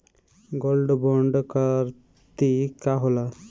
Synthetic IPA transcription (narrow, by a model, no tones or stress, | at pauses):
ɡolɖboɳɖkəɾ | t̪ikaɦola